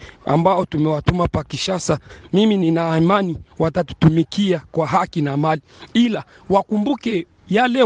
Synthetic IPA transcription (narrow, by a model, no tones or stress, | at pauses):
a̰mbaɔtumɛwatumapakiʃasamimininaːmaniwatatu̥tumikʰiakwaɦakinamaliila | wakumbukɛ | jalɛ